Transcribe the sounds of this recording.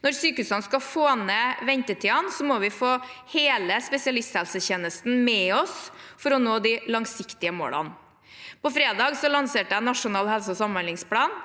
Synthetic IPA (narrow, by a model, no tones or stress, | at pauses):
nɔɾsyːkəʉːsɑnskɑfoːnəʋɛɲt̪ət̪ʰiːɑnsɔmɔʋɪfoːheːləspɛsɪɑlɪst̪hɛlsəçeːnəst̪n̩mɛɔsfɔɾɔnoːd̪ɪlɑŋsɪkt̪ɪəmo̰ːlɑ̰n | pɔfɾeːd̪ɑːɡsɔlɑnseːʈəænɑʂʊnɑːlhɛlsəɔsɑmmɑnlɪŋspʰlɑːn